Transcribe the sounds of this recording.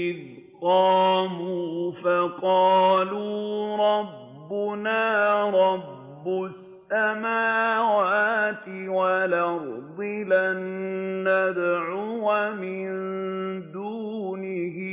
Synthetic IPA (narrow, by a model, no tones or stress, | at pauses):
ɪð | qɑːmuːfaqɑːluːɾˤɑbːʊnaːɾˤɑbːʊs | amaːwaːt̪ɪwalaɾd̪ˤɪlanːad̪ʕʊwamɪnnd̪uːnɪɦɪ